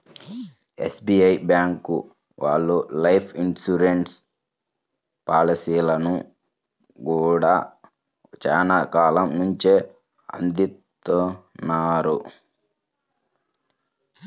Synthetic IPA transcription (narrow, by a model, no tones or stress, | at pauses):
ḛsbiːɐjbjaːŋkṵ | ʋa̰ːɭːulɐjpʰinsuɾeɳʈs | paːlisiːlɐnu | ɡuːɽaː | t͡ʃaːnakaːlɐmnuɲt͡ʃeː | ɐ̰nd̪it̪ːunːaːɾu